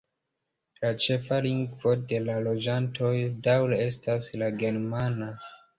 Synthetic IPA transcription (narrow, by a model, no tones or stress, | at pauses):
lat͡ʃe̞faliŋɡvo̞de̞lalo̞d͡ʒantʰo̞jdawlee̞staslaɡe̞ɾmana